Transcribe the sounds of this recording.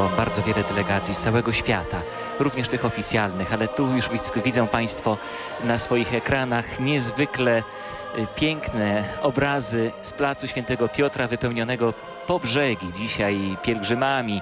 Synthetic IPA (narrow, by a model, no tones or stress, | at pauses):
ɔbaɾd̪zɔvjɛlɛd̪ɛlɛɡat̪sʲjist̪sawɛɡɔɕfʲjat̪a | ɾuvɲɛʂt̪ɘxɔfʲit̪sʲjalnɘxalɛt̪ujuʐvʲivʲid̪zɔ̃w̃paj̃st̪fɔ | nasfɔjixɛkɾanaxɲɛzvɘklɛ | pʲjɛŋknɛɔbɾazɘsplat̪suɕfʲjɛnt̪ɛɡɔpʲjɔt̪ɾavɘpɛwɲɔnɛɡɔ | pɔbʐɛɡʲid͡ʑiɕajpʲjɛlɡʐɘmamʲi